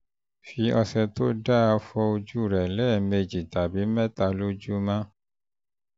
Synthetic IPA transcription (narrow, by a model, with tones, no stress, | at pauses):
fi˧ɔ˧sɛ˧to˦da˦a˧fɔ˧o˧d͡ʒu˦˨ɾɛ˨lɛː˦˨me˧d͡ʒi˨ta˨bi˨˦mɛ˦ta˧lu˦d͡ʒu˦mã˦